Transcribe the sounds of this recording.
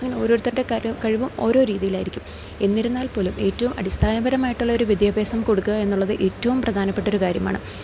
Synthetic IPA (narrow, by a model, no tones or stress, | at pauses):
ɐŋɐneo̞ːɾo̞ːɾut̪ːɐɽekɐɻiʋumo̞ːɾoːɾiːðijilaːjiɾikʲːum | e̞nːiɾunːaːlpo̞ːlume̞ːtːɐʋumɐ̰ɽist̪ʰaːnɐbɐɾɐmaːjiʈːuɭːɐo̞ɾuʋid̪jaːbʱeːsɐmkoɽukːɐe̞nːuɭːɐðɨʔe̞ːtːɐʋumprɐd̪ʱaːnɐpːe̞ʈːo̞ɾukaːɾjɐma̰ːɳɨ